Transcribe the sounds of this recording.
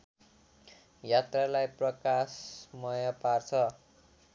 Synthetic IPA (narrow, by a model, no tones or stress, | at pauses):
jat̪ralajprʌkasmʌjʌpart͡sʰʌ